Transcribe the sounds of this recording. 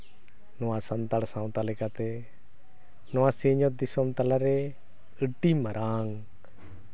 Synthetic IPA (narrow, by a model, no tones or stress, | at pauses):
nɔwãsɐnt̪aɽsãwt̪alekat̪e | nɔãseːɲɔt̪̚d̪ɪsɔmt̪ɐlaɾe | ɨʈimɐɾʔaːŋ